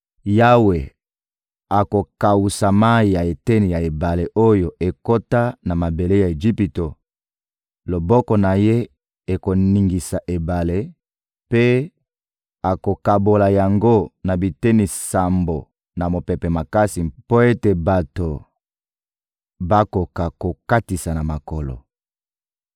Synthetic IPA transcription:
ja˦we˨ | a˨ko˨ka˨wu˨sa˨ma˦i˨ja˨e˨te˦ni˨ja˨e˨ba˨le˨ʔo˦jo˨ʔe˨ko˦ta˦na˨ma˨be˨le˦ja˨e˨d͡ʒi˦pi˨to˨ | lo˨bɔ˦kɔ˨na˨je˦ | e˨ko˨ni˨ŋɡi˨sa˨ʔe˨ba˨le˦ | pe˦ | a˨ko˨ka˨bo˨la˨ja˨ŋɡo˦na˨bi˨te˦ni˨sa˨mbo˨ | na˨mo˨pe˨pe˨ma˨ka˦si˨po˦e˦te˨ba˨to˨ | ba˦ko˨ka˨ko˨ka˦ti˨sa˨na˨ma˨ko˨lo̰˨

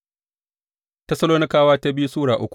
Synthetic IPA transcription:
tɐ˦sɐ˦loː˦nɪ˦kaː˦waː˦ta˦bɪ˦ju˦suː˦ɽaː˨ʔʊ˦kʷ

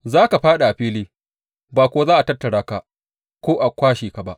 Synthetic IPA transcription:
zaː˦ka˨ɸaː˦ɗa˨ʔa˨ɸiː˦liː˦ | baː˨kʷoː˦zaː˦ʔa˨tɐ˦tːɐ˨ɽaː˦ka˨ | kʷoː˦ʔa˨kʷaː˦ʃiː˨ka˨ba˦ʔ

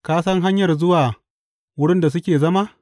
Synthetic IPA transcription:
kaː˦sɐ˦ŋɦa˦ɲjɐ˨rzʊ˦waː˨ | wʊ˦ɽɪ˦nda˨s̬ʊ˦kʲeː˨zɐ˦ma˦ʔ

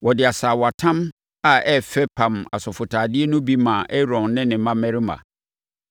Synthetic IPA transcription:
wɔ˨dɪ˨a˨saː˨wa˨tʰã˦m | a˨ɛ˦fɛ˦pʰã˨ma̰˨sɔ˨fʊ˨tʰaː˨dɪ˦ɛ˦nʊ̃˦bi˦mã˨ʔɛ˦ɾɔ̃˨nːɪ̃˦nɪ̃˨mã˦mɛ̃˦ɾɪ˦mã̰˨

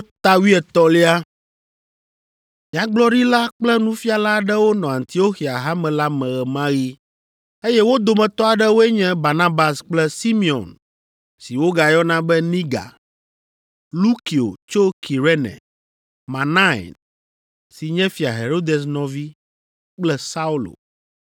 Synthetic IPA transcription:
t̪a˦wi˦ɛ˨t̪ɔ˦li˦a˦ | mĩ˨ã˨ɡ͡blɔ˦ɖi˦la˦k͡plɛ˦nũ˦fi˦a˨la˦ɖɛ˦wo˦nɔ̃˨ã˨nt̪i˨o˦xi˨a˨ɦa˦mɛ̃˨la˦mɛ̃˨ɣɛ˨mã˦ɣi˦ | e˦jɛ˦wo˦d̪o˨mɛ̃˨t̪ɔ˦a˨ɖɛ˦wo˦e˦ɲɛ̃˦ba˨nã˦ba˨sk͡plɛ˦si˦mi˨ɔ̰˨n | si˨wo˦ɡa˨jɔ˦nã˦bɛ˦nĩ˦ɡa̰˨ | lu˦ki˨o̰˨t͡ʃo˦ki˨ɾe˦nɛ̰̃˨ | mã˨nã̰˦˨n | si˨ɲɛ̃˦fi˨a˨ɦe˨ɾo˦d̪e˨s̬nɔ̃˨vi˦ | k͡plɛ˦sa˦u˦lo̰˨

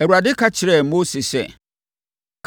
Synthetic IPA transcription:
ɛ˨wu˨ɾa˨dɪ˦kʰa˦t͡ɕʰɪ˨ɾɛ˨mo˦si˨sɛ̰˦˨ | kʰ

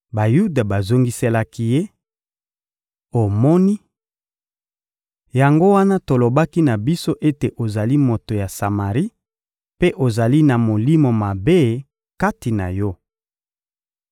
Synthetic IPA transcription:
ba˨ju˦da˨ba˨zo˦ŋɡi˦se˦la˦ki˦je˦ | o˨mɔ˦ni˦ | ja˨ŋɡo˦wa˦na˦to˨lo˨ba˦ki˦na˨bi˦so˦ʔe˦te˨ʔo˨za˨li˦mo˨to˨ja˨sa˨ma˨ʁi˦ | pe˦ʔo˨za˨li˦na˨mo˨li˦mo˨ma˨be˦ | ka˦ti˨na̰˨jɔ˦

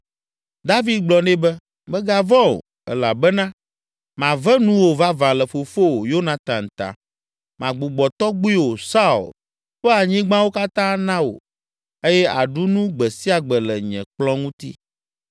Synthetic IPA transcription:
d̪a˦vi˦d̪̚ɡ͡blɔ˨nɛ̃˦bɛ˦ | mɛ˦ɡa˦vɔ̃˦o̰˨ | ɛ̰˨la̰˨bɛ˦nã˦ | mã˨vɛ˦nũ˦wo˨va˦vã˨lɛ˨fo˨fo˦o˨jo˦nã˨t̪ã˨n̩˨t̪a̰˨ | mã˨ɡ͡bu˨ɡ͡bɔ˨t̪ɔ˦ɡ͡bu˦i˦wo˨sa˦ṵ˨l | ɸɛ˦a˨ɲĩ˦ɡ͡bã˦wo˦ka˦t̪ã˦nã˦wo̰˨ | e˦jɛ˦ʔa̰˨ɖu˦nũ˦ɡ͡bɛ˨si˦a˨ɡ͡bɛ˨lɛ˨ɲɛ̰̃˨k͡plɔ̃˦ŋũ˦t̪ḭ˦

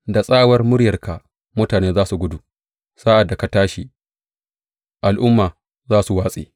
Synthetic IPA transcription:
da˨sʼaː˦˨wɐ˦rmʊ˦ɽjɐ˨rka˨ | mʊ˦taː˨neː˦zaː˦su˨ɡʷʊ˦du˨ | saː˦ʔa˨dːa˨ka˨taː˦ʃi˨ | ʔa˨lʔʊ˦mːaː˨ | zaː˦su˨waː˦sʼḛː˨

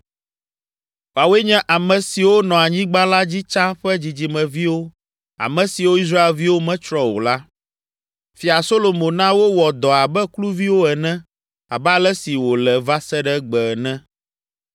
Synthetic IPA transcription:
wa˨wɛ˦ɲɛ̃˦ʔa˨mɛ̃˨si˨wo˦nɔ̃˨a˨ɲĩ˦ɡ͡bã˦la˦d͡ʑi˦t͡ʃã˦ɸɛ˦d͡ʑi˨d͡ʑi˨mɛ̃˨vi˦wo˦ | a̰˨mɛ̃˨si˨wo˦i˦s̬ɾa˦e˨lvi˦wo˦mɛ̃˦t͡ʃɾɔ˦wo̰˨la˦ | fi˨a˨so˦lo˨mõ˨nã˦wo˦wɔ˨d̪ɔ˨a˨bɛ˦klu˦vi˦wo˦ɛ˨nɛ̃˦ | a̰˨bɛ˦a˦lɛ˦si˨wo˨lɛ˨va˦sɛ˦ɖɛ˦ɡ͡bɛ˨nɛ̃˦

